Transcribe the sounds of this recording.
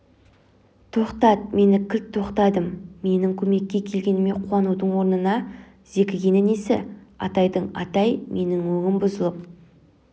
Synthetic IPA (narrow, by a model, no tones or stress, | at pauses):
t̪ʰo̞qt̪ɑt̪̚me̞nɪkʲʰɪlt̪ʰːo̞qt̪ɑd̪əmːe̞nɪŋkʲʰɵme̞kʲːe̞kʲʰːe̞lɡʲe̞nɪme̞qʰwɑnud̪əɴwo̞ɾnənɑ | z̥e̞kʲɪɡʲe̞nɪnesɪ̰ɑ̰t̪ɑjd̪əɴɑt̪ɑjmʔe̞nɪŋwɵŋɪmbʊzəlˠəp̚